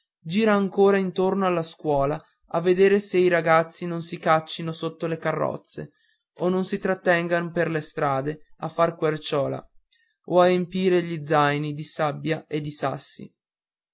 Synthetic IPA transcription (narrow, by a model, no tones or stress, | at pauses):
d͡ʒiːɾaːŋkoːɾaint̪ornoalːaskwɔːla | a̰vːed̪eːɾeseiɾaɡat̪sːinonsikat͡ʃːinosot̪ːolekarːɔ̰t̪sːḛ | onːonsit̪ɾat̪ːɛŋɡanoperlest̪ɾaːd̪eafːarkwert͡ʃɔːla̰ | oaempiːɾeʎid̪zajnid̪isabːjaʔed̪ːisa̰sːḭ